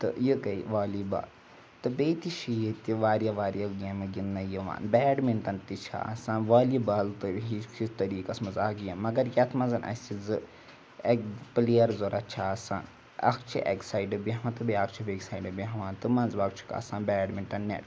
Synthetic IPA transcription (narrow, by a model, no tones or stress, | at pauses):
t̪ɨ̰jɨkɐiʋaːliba̰ːl | t̪ɨbeːt̪iʃʰijit̪ʲiʋaːɾjaʋaːɾjɐlɡeːmɐɡinːɐjəʋa̰ːnbɛːɖminʈɐnt̪it͡ʃʰa̰a̰sãːnʋaːlibalt̪ɨɦikʰit̪ɐɾiːkɐsmɐzaːɡjɐmɐɡɐɾjɐt̪ʰmɐnzɐnʔɐ̰sizɨ | ekpleːɐɾzoɾɐt͡ʃʰasaːn | ɐ̰kʰt͡ʃʰḭʔḛksaːjɖɐbiɦɐʋãt̪ɨbeɐkt͡ʃʰiʋeɡsaːiɖɐbiɦɐʋãːnt̪ɨmɐnzʋaːkt͡ʃʰu̥ka̰ːsaːnbɛːɖmiɳʈɐnːḛʈ